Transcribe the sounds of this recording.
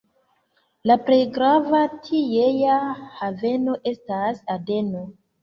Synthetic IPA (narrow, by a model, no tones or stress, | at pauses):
lapɾe̞jɡɾavatʰijejahave̞no̞ʔe̞stasade̞no̞